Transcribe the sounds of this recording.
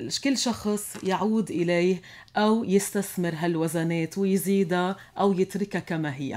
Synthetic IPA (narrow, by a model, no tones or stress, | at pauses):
ʃkɪlːʃɑxsˤjaʕuːd̪ʔɪleːh | ʔawjɪst̪aθmɪɾɦalwazaneːt̪wɪjziːd̪a | ʔawjɪt̪ɾɪkakamaɦɪjːa̰